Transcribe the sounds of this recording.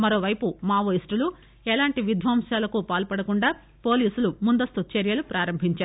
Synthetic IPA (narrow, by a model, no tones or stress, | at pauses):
mɐɾo̞ːʋɐjpumaːʋoːisʈulu | ɛlaːɳʈiʋid̪ʱʋaːmʂaːlɐkupaːlpɐɽɐkuɳɖaː | po̞ːliːsulumund̪ɐst̪ut͡ʃeɾjɐlupɾaːɾɐmbʱiɲt͡ʃaːɾu